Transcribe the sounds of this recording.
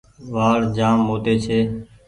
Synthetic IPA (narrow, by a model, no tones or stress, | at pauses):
ʋaːɽd͡ʒaːmːoːt̪eːt͡ʃʰeː